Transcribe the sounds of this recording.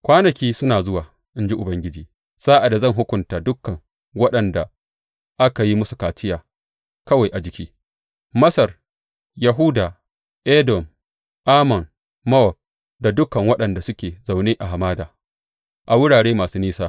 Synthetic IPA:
kʷaː˦nɐ˨kʲiː˦sʊ˦naː˨zʊ˦waː˨ | ʔɪ˦nd͡ʒi˦ʔʊ˨bɐ˦ŋɡʲɪ˦d͡ʒiː˨ | z̥aː˦ʔa˨da˨zɐ˦˨ŋɦʊ˦kʷʊ˨ntaː˨dʊ˦kːɐ˨ŋ | wɐ˦ɗɐ˨nda˨ | ʔa˦ka˨ji˦mʊ˦su̥˨kaː˨t͡ʃɪ˦jaː˨ | kɐ˦wa˨jʔa˨d͡ʒɪ˨kʲiː˦ | mɐ˦sɐ˨r | ja˨ɦu˦daː˨ | ʔe˦dɔ˨m | ʔaː˦mɔ˨n | mɐ˦ɔ˨p̚ | da˨dʊ˦kːɐ˨ŋwɐ˦ɗɐ˨nda˨sʊ˦kʲeː˨za˨wneː˦ʔa˨ɦa˨maː˦daː˨ | ʔa˨wʊ˦ɽaː˨ɽeː˦maː˨suː˦niː˦saː˦

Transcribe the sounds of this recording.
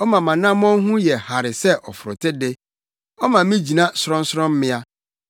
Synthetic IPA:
ɔ˦mã˨mã˨nã˦m˦ɔ̃˦ɦũ˦jɛ˨ha˨ɾɪ˨sɛ˦ʔɔ˨fʊ˨ɾʊ̰˨tʰe˦de˦ | ɔ˦mã˨˦mĩ˦d͡ʑi˨nã˦sʊ˦ɾɔ̃˦n̩˦sɾɔ̃˦m̩˦mɪ̃˦a˦

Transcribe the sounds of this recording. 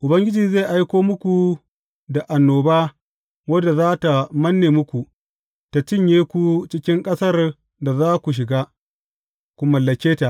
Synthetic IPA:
ʔʊ˨bɐ˦ŋɡʲɪ˦d͡ʒiː˨ze˦˨ʔa˦jkʷoː˦mʊ˦kʷu˨ | da˨ʔa˨nːoː˨baː˦ | wɐ˦dːa˨zaː˦ta˨mɐ˦nːeː˨mʊ˦kʷu˨ | ta˨t͡ʃɪ˦ɲjeː˦kʷu˦t͡ʃɪ˦kʲɪ˦ŋkʼɐ˦sɐ˦r | da˨zaː˦kʷu˨ʃ̬ɪ˨ɡaː˦ | kʷu˦mɐ˨lːɐ˨kʲeː˦ta˨ʔ

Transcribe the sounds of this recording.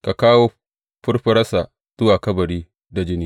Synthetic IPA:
ka˨kaː˦woː˦ | ɸʊ˦rɸɐ˦ɾɐ˦sa˨ | tʊ˦waː˨kɐ˦bɐ˨ɽiː˦ | da˨d͡ʒɪ˦niː˦

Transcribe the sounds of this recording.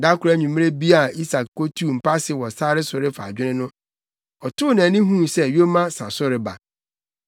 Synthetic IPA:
da˦kʰʊ˨ɾæ˦˨ɲũ˨mĩ˦e˦bi˦a˨i˦sa˨kko˦tʰu˦˨m̩˨pa˦sɪ˨˦wɔ˨saː˦ɾɪ˦sʊ˨ɾɪ˦fa̰˨d͡ʑᶣɪ˦nɪ̃˦nʊ̃˦ | ɔ˨tʰʊ˦˨nã˨nĩ˦ɦũ˦˨sɛ˦jo˦mã˦sã˨sʊ˦ɾɪ˨ba̰˨

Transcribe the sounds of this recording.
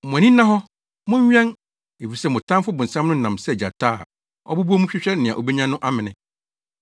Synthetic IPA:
mʊ̃˨æ˨nĩ˦nã˦ɦɔ˦ | mʊ̃˦ɲ˦ɲᶣɛ̃˦n | e˨fi˨sɛ˦mʊ̃˨tʰã˦m˦fʊ˦bʊ̃˨n̩˨sã˦mnʊ̃˦n̩˨nã˨msɛ˦˨d͡ʑa˨tʰaː˦˨ | ɔ˦bu˦bu˦ɔ˦mʊ̃˦ɕᶣɪ˦ɕᶣɛ˦nɪ̃˨ã˨ʔo˨be˦ɲã˦nʊ̃˦ʔa˦mɪ̃˨nɪ̃˦

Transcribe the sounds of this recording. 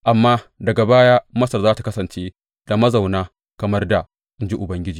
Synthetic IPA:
ʔa˨mːaː˦dɐ˨ɡa˨baː˦jaː˦mɐ˦sɐ˨rzaː˦ta˨kɐ˦sɐ˨nt͡ʃeː˦ | d̥a˨mɐ˦za˨wnaː˦ | kɐ˨mɐ˦rda˨ | ʔɪ˦˨nd͡ʒi˦ʔʊ˨bɐ˦ŋɡʲɪ˦d͡ʒiː˨

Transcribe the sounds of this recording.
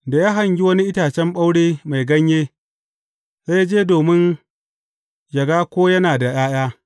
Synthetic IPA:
da˨jaː˦ɦa˨ɲɡʲi˦wɐ˦ni˦ʔɪ˦taː˨t͡ʃɛ˦mɓa˦wɽeː˦ma˨jɡɐ˦ɲjeː˦ | za˦ja˦d͡ʒeː˦doː˨mɪ˦n | jɐ˨ɡaː˦kʷoː˦jɐ˦naː˨da˨j̰aː˦j̰aː˦

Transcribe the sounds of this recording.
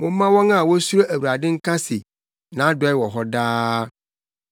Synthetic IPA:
mõ˦mã˦wɔ˦ŋã˦˨wo˦sɾo˦ʔe˨wu˨ɾa˨ɖɪ˦ŋ̩˦kã˦si˨ | nã˨˦ɖɔ˦ɛ˦wɔ˨ɦɔ˦ɖa˦

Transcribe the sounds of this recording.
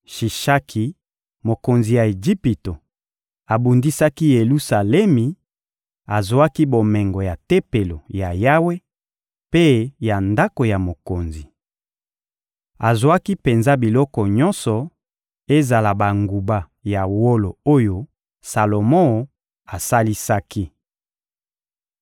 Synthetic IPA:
ʃi˨ʃa˦kʰi˨ | mo˨ko˨nzi˨ja˨e˨d͡ʒi˦pi˨to˨ | a˨bu˨ndi˦sa˦ki˦je˨lu˦sa˨lɛ˦mi˨ | a˨zwa˦ki˦bo˨mɛ˨ŋɡo˨ja˨te˦pe˨lo˨ja˨ja˦we˦ | pe˦ja˨nda˦ko˨ja˨mo˨ko˨nzi˨ | a˨zwa˦ki˦pe˨nza˦bi˨lɔ˦kɔ˨ɲɔ̃˦nsɔ˨ | e˦za˨la˨ba˨ŋɡu˨ba˦ | ja˨wo˦lo˨o˦jo˦ | sa˨lo˨mɔ̃˦˨ | a˨sa˦li˦sa˦ki˦

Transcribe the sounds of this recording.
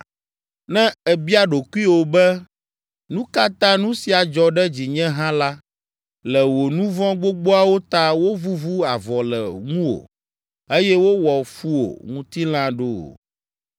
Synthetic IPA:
nɛ̃˦ɛ˨bi˦a˦ɖo˨ku˦i˦wo˨bɛ˦ | nũ˦ka˦t̪ã˦nũ˦si˨a˨d͡ʒɔ˨ɖɛ˦d͡ʑi˨ɲɛ̃˦ɦã˦la˦ | lɛ˨wo˨nũ˦vɔ̃˦ɡ͡bo˦ɡ͡bo˦a˦wo˦t̪a˦wo˦vu˦vu˦a˨vɔ˨lɛ˨ŋũ˦o̰˨ | e˦jɛ˦wo˦wɔ˨fu˦o̰˨ŋũ˦t̪i˦l̃ã˦ɖo̰˦˨

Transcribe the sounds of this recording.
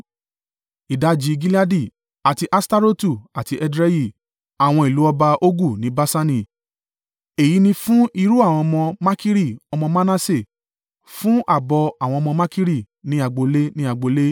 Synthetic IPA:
i˨da˨˦d͡ʒi˧ɡi˦li˦a˦di˦˨ | a˨ti˧ʔa˦sta˦ɾo˦tu˦˨a˨ti˧ʔɛ˧dɾɛ˦ji˦˨ | a˨w̃ɔ̃˧i˨lu˨˦ɔ˧ba˧ʔo˦ɡu˦˨nĩ˨˦ba˦sa˧˦nĩ˨ | e˨ji˨˦nĩ˧fũ˦ʔi˧ɾu˦a˦˨w̃ɔ̃˧mɔ̃˧ma˦ki˦ɾi˦˨ɔ˧mɔ̃˧ma˦na˦se˦˨ | fũ˦ʔa˦˨bɔ˧a˨w̃ɔ̃˧mɔ̃˧ma˦ki˦ɾi˦˨ | nĩ˨˦a˧˨ɡ͡bo˧le˦nĩ˦a˧˨ɡ͡bo˧le˦

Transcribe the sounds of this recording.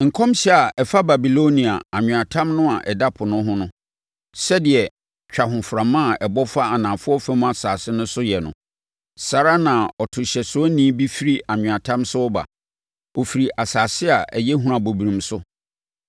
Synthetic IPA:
ŋ̩˨kʰɔ̃˦mɕɛ˦˨a˨ɛ˨fa˦ba˨bi˨lo˦nĩ˨a˨a˨ɲ̃ᶣ˨a˨tʰã˦mnʊ̃˦a˨ʔɛ˨da˦pʰʊ˨nʊ̃˦ɦʊ̃˦nʊ̃˦ | sɛ˦dɪ˨ɛ˨ | t͡ɕᶣa˨ɦʊ̃˨fɾã˨mːã˦˨ɛ˨bɔ˦fa˦a˨nã˨fʊ˦ɔ˦fɛ̃˦m˦a˨saː˨sɪ˦nʊ̃˦sʊ˦jɛ˨nʊ̰̃˨ | sa˨ɾa˦nã˨ɔ˨tʰʊ˨ɕɛ˨sʊ˦ɔ˦nĩ˦bi˦fi˦ɾi˦ʔa˨ɲᶣʊ̃˨a˨tʰã˦msʊ˦ɔ˦ba̰˨ | ɔ˨fi˨ɾi˨ʔa˨saː˨sɪ˦a˨ʔɛ˨jɛ˦ɦũ˦ã˨bo˨bi˨ɾĩ˨msʊ˦

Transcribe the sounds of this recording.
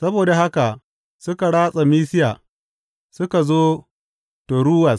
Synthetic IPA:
sɐ˦boː˨da˨ɦa˦ka˨ | sʊ˦ka˨ɽaː˦sʼa˨miː˦sɪ˦jaː˨ | sʊ˦ka˨zoː˦ | to˨ɽuː˦wɐ˨s

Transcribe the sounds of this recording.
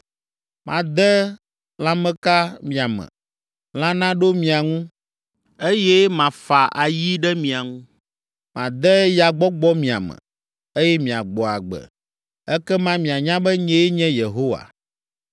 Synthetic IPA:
mã˨d̪ɛ˦ | l̃ã˦mɛ̃˦ka˦mĩ˨a˨mɛ̰̃˨ | l̃ã˦nã˦ɖo˦mĩ˨a˨ŋũ˦ | e˦je˦mã˨fa˨ʔa˨ji˦ɖɛ˦mĩ˨a˨ŋũ˦ | mã̰˨d̪ɛ˦ja˨ɡ͡bɔ˦ɡ͡bɔ˦mĩ˨a̰˨mɛ̰̃˨ | e˦jɛ˦mĩ˨a̰˨ɡ͡bɔ˨a˨ɡ͡bɛ̰˨ | ɛ˦kɛ˦mã˦mĩ˨a˨ɲã˦bɛ˦ɲɛ̃˦e˦ɲɛ̃˦je˨ɦo˦wa̰˨

